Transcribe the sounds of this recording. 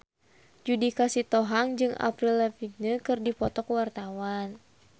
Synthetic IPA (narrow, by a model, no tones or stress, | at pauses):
d͡ʒudikasit̪ɔɦaŋd͡ʒɨŋʔa̰pɾilɛpik̚ɲakɨrdipɔt̪ɔkwart̪awan